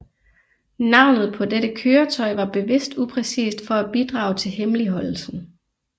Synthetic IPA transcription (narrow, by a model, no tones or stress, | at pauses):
nɑ̈ʊ̰nð̞̩ˠpʰɒ̽deɾəkʰøːɐt͡sʰɒɪʋɑ̈b̥e̝ʋe̝sd̥upʰʁɛsḭːsd̥fɒ̽æb̥id̥ʁɑ̈ːʊt͡sʰe̝lɦemliɦɒ̽l̰l̩sn̩